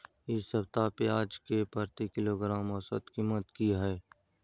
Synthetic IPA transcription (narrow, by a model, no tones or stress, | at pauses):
ɪsɐbt̪apeaːd͡ʒkepəɾt̪ikɪloɡɾaːmɔsə̰t̪kiːmət̪kiɦɛː